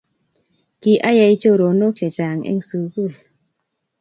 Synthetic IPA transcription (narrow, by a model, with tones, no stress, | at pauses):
ki˨ʔa˦ja˧˨i˦t͡ʃo˦ɾo˨no˦k̚t͡ʃe˨t͡ʃa˨ŋɛ̰˦ŋsu˨ɡu˦˨l